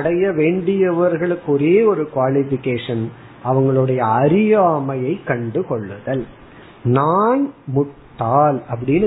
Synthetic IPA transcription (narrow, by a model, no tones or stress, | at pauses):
ɐɽɐjɐʋeːɳɖɪjɐʋɐɾɣɐɭɯkːɔɾeːɔɾɯkʋaːlɪfɪkːeːʂɐn | ɐʋɐŋɡɐɭɯɽɐjɐːɾɪjaːmɐjɐɪkːɐɳɖɯkɔɭːɯɣɐl | naːnmʊʈʈːaːlɐp̬ːɐɽɪnː